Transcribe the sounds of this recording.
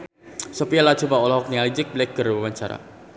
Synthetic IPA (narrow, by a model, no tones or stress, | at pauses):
sopialḁt͡ʃubaɔlɔɦɔk̚nialid͡ʒɪk̚blɛk̚ɡ̥ərwawaɲt͡ʃaɾa̰